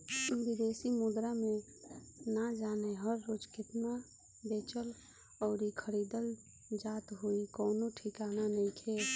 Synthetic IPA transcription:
bɪd̪eːsimud̪ɾamẽ | nad͡ʒaːneɦəɾːoːd͡ʒkɪt̪na | beːt͡ʃəl | ɔːɾikʰəɾiːd̪əl | d͡ʒaːt̪ɦuikɔːnoʈʰɪkaːnanəĩkʰeː

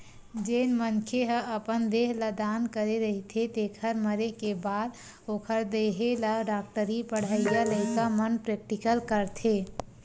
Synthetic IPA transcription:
d͡ʒenmənkʰeɦəəpənd̪eɦləd̪ankəɾeɾəɦit̪ʰet̪ekʰəɾməɾekebad̪ | okʰəɾd̪eɦeləɖak̚ʈəɾipəɽ̤əijaləɪkamənpɾek̚ʈikəlkəɾt̪ʰe

